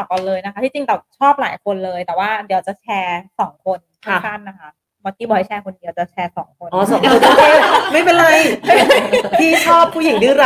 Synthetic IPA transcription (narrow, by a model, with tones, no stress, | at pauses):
ɔ˨˩ka˨lɤː˧jna˦˥kʰa˦˥t̪ʰiː˥˩t͡ɕi˧ŋt̪ɛː˨˩wt͡ɕʰɔː˥˩p̚la̰ː˩˦jkʰo˧nlɤː˧jt̪ɛː˨˩waː˥˩di˩˦˧t͡ɕa˨˩t͡ɕʰɛː˧sɔː˩˦ŋkʰo˧nk̪ʰa˥˩kʰa˥˩nːa˦˧˥kʰa˦˥ | maː˦˧˥k̚iː˧˥bɔ˨˩ha˥˩jt͡ɕʰɛː˧kʰo˧nːiː˧˦˧t͡ɕa˨˩t͡ɕʰɛː˧sɔː˩˦ŋkʰo˧nʔɔː˧˩so˨˩˦so˧˨˩o˧˥keː˧˩ma˥˩jpe˧nɾa˧j | t̪ʰiː˥˩t͡ɕʰɔː˥˩pʰːuː˥˩ji˨˩˦ŋdɯː˥˩ɾa˦˧